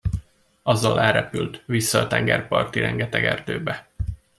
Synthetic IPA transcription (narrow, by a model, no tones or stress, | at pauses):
ɒzːɒlɛlɾɛpylt̪ʋisːɒːt̪ɛŋɡɛrpɒrt̪iɾɛŋɡɛt̪ɛɡɛrd̪øːbɛ